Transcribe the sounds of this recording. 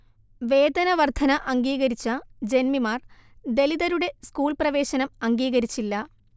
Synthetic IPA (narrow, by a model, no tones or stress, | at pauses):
ʋe̞ːd̪ɐnɐʋɐrd̪ʱʰɐnɐʔɐŋɡiːɣɐɾit͡ɕːɐd͡ʑe̞nmimaːrd̪e̞liðɐɾuɽe̞skuːɭprɐʋe̞ːɕɐnɐmɐŋɡiːɣɐɾit͡ɕːilːɐ